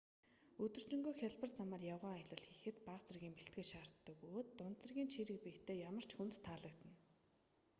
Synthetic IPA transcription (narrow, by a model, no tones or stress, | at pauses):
ɵt̪ɵ̆r̥t͡ɕɪ̆ŋɡoːjxʲaɮpə̆rt͡samaːrjawʁaːaj̆ɮə̆ɮxixɘ̆t̪paχt͡sə̆rɣʲiːmpeɬt̪ɡɘ̆ʃaːrt̪ːə̆kujoːt̪ːʊnt̪t͡sə̆rɣʲiːnt͡ɕʰiɾɘ̆k̚piːkt̪ʰeːjamə̆r̥t͡ɕxunt̪ʰːaːɮə̆kt̪ə̆n